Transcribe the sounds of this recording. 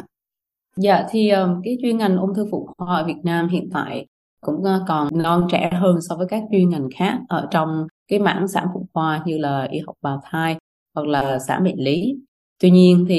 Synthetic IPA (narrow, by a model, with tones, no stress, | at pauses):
za̰ː˧˨t̪ʰi˨˩ʔəː˨˩mkaː˨˦jt͡ɕwi˧ənŋa˨˩jŋ̟ʔo˧wŋ͡mt̪ʰɨ˧ŋfṵ˧˩ŋ͡mxwaː˧ʔəː˧˩vi˨˩ət̚naː˧mhḭ˧˨ənt̪a̰ː˧˨j | kʊ̰˧˥ŋ͡mkɔ˨˩nɔ˧nt͡ɕɛ̰˧˩ɦəː˧nsɔ˧vəː˨˦jkaː˦˥k̚t͡ɕwi˧ənŋa˨˩jŋ̟xaː˦˥k̚ʔəː˧˩t͡ɕɔ˧wŋ͡mkaː˨˦jma̰ː˧˥nsa̰ː˧˥nfṵ˧˩˨ŋ͡mxwaː˧ɲɨ˧laː˨˩ʔi˧˦ha˨˩wk͡p̚ɓaː˨˩wt̪ʰaː˧j | hwa˨˩k̚laː˨˩sa̰ː˧˩nɓḭ˧˨nli˨˦ | t̪wi˧ɲi˧ənt̪ʰi˨˩